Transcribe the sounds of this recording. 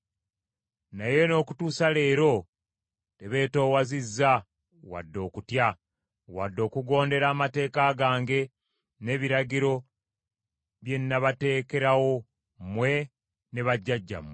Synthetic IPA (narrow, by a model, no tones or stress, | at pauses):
naje̞no̞ːku̥tuːsale̞ːɾo̞ | te̞βe̞ːto̞ːwazizːa | wa̰dːo̞ːkutja | wadːo̞ːkuɡo̞ːnde̞ɾaːmate̞ːkaːɡaːŋɡe̞ | ne̞βiɾaɟiɾo̞ | βje̞nːaβate̞ːke̞ɾawo̞ | mwe̞ | ne̞βaɟːaɟːa̰mwe